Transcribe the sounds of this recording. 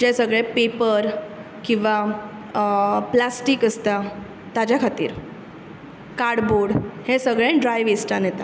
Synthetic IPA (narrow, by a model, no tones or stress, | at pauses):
d͡ʑesəɡɭɛpepəɾ | kĩw̃ʋa | plasʈiːkəst̪a | t̪ad͡ʑjakʰat̪ḭːɾ | kaɾɽboɽhẽsəɡɭɛ̃ɖɾajʋesʈ̪anjɛt̪a